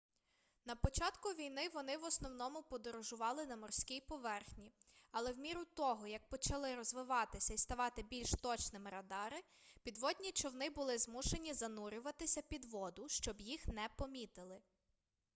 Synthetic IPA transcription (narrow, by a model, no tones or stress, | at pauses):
n̪ɐpɔt͡ʃɑt̪kʊʋʲijnɪʋɔnɪʋɔsnɔwnɔmʊpɔd̪ɔɾɔʒʊʋɑlˠɪnɐmɔrsʲkʲijpɔʋɛrxnʲiɐlˠɛwmʲiɾʊt̪ɔɦɔjɐk̚pɔt͡ʃɐlˠɪɾɔzʋɪʋɑt̪ɪsʲɐist̪ɐʋɑt̪ɪbʲilʲʃt̪ɔt͡ʃnɪmɪɾɐd̪ɑɾɪ | pʲid̪ʋɔd̪ʲnʲit͡ʃɔwnɪbʊlˠɪzmuʃe̞nʲizɐnuɾʲʊʋɐt̪ɪsʲɐpʲid̪ʋɔd̪ʊʃt͡ʃɔbjixnɛpɔmʲit̪ɪlˠɪ